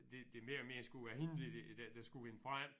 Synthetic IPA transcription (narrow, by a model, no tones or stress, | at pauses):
d̥e̝d̥e̝me̝ːɐlɒme̝ːɐsɡ̥uʋæɐhenlided̥æd̥æsɡ̥uʋe̝nəfʁaɪ